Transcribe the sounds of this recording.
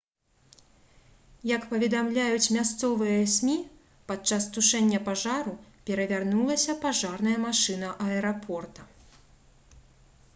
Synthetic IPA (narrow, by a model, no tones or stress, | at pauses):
jɐkpɐvʲɛd̪amlʲajut͡sʲmʲast̪sɔvɨjɐsʲmʲi | pat͡ʂast̪uʂɛnʲːɐpaʐaɾupʲɛɾɐvʲarnulˠɐsʲɐpaʐarnɐjɐmaʂɨn̪ɐʔɐɛɾapʰɔrt̪ɐ